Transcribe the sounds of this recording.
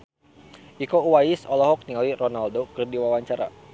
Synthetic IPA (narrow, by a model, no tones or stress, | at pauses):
ʔikouwajɪsɔlɔɦɔk̚niŋalirɔnaldokɨrdiwawaɲt͡ʃaɾa̰